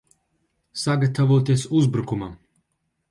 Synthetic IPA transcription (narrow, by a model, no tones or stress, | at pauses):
saɡat̪avoːt̪isuzbɾukuma